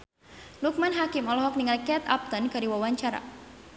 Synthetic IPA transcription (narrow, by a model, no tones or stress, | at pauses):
luk̚manɦakimɔlɔɦɔk̚niŋalkɛt̪a̰p̚t̪ənkaɾiwawaɲt͡ʃaɾa̰